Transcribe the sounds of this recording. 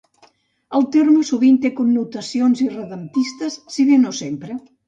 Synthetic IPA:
əlˠt̪eɾmusuβint̪ekunːut̪ɐsjonzirəðəmt̪ist̪əsːiðenosempɾə

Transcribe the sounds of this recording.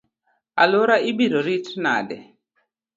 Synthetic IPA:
aloɾaʔibiɾɔɾitna̰dɛ̰

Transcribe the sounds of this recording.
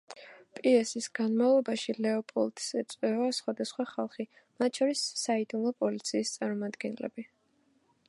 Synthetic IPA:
pʼiɛsisɡ̥anmavlˠɔbaʃilɛɔpʼɔ̰lˠt̪ʼsɛt̪sʼwɛɔasχwad̪asχwaχalˠχi | mat̪̚ʰʃʰɔɾisːaid̪umlˠɔpʼɔlit̪sʰiːst̪sʼaɾmɔmad̪ɡɛnlɛ̰b̥i

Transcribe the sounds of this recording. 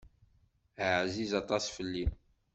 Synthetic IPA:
əʕzizɑt̪ˤɑsfəlːin

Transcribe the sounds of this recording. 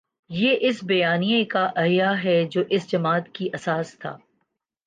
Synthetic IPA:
jeʔɪsbɐjaːnijekaʔɐɦjaɦɛd͡ʒoːʔɪsd͡ʒɐmaːt̪kiʔɐsaːst̪ʰa̰ː

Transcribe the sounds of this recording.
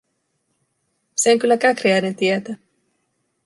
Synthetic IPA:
seoŋkylːækækriæjne̞nt̪iet̪æ

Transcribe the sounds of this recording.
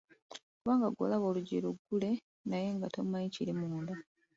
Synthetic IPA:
okuβaːŋɡaɡo̰laβo̞ːluɟiluɡːule̞ | naje̞ŋɡato̞mːaiciɾimuːnda

